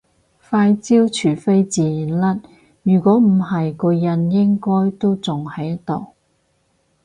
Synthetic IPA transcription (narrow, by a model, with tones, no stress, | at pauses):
faː˧jt͡siː˥wt͡ʃʰyː˨˩fe˥jt͡siː˨nlɐ˥t̚ | jyː˨˩kʷɔː˨˥m̩˨˩ɦɐ˨jkɔː˧jɐ˨˧njɪ˥ŋkɔː˥jt̪o˥wt͡sʊ˨ŋhɐ˨˥jɐ˥t̪o˨w